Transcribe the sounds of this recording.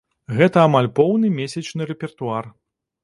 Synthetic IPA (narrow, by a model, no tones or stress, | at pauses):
ɣɛt̪ɐamalʲpɔwnɨmʲesʲɐt͡ʂnɨɾɛpʲɛrt̪uar